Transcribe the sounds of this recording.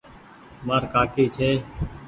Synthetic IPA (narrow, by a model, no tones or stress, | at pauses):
maːɾkaːkiːt͡ʃʰeː